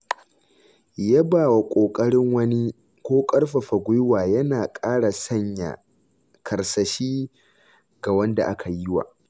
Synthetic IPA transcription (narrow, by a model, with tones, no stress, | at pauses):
ja˦baː˨wa˨kʷʼoː˨kʼɐ˦ɽɪ˦ŋwɐ˦ni˦ | kʷoː˦kʼɐ˦rɸa˨ɸa˨ɡʷʊ˦jwaː˨jɐ˦naː˨kʼaː˦ɽa˨sɐ˦ɲja̰˨ | kʰɐ˨rsɐ˨ʃiː˦ | ɡa˨wɐ˦nda̰˨ʔa˦kʰa˨ji˦wa̰ː˨